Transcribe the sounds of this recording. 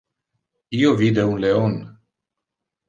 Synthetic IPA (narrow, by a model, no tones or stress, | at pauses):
iovid̪eunle̞on